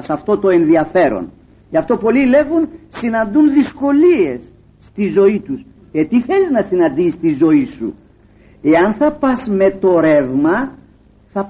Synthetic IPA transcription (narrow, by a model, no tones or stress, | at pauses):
sɐft̪o̞t̪o̞e̞nðiɐfe̞ɾo̰n | ʝɐft̪o̞po̞lile̞ɣunsinɐnd̪unðisko̞lie̞sː | t̪izo̞it̪us | et̪iθe̞liznɐsinɐnd̪ist̪izo̞isṵ | e̞ɐnθɐpɐzme̞t̪o̞ɾe̞vmɐ | θɐ